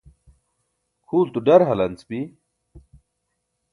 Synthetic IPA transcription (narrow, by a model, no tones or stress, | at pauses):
kʰuːlt̪uɖɐɾɦɐlɐnt͡spi